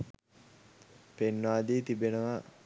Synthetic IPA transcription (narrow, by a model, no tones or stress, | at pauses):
penːaːd̪iːt̪ibenəʋa